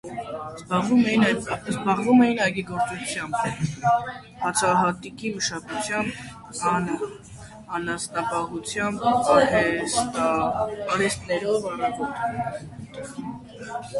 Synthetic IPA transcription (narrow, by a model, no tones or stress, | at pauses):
uɛjinzbɑʁvumɛjinɑjɡiɡɔɾt͡sut͡sʰjɑmb | hɑt͡sʰɑɦɑt̪ikiməʃɑkut͡sʰjɑmb | ɑnə | ɑnɑsnɑpɑɦut͡sʰjɑmbɾ | ɑɾɛst̪nɛɾɔvɑrɑvɔɾt̪t̪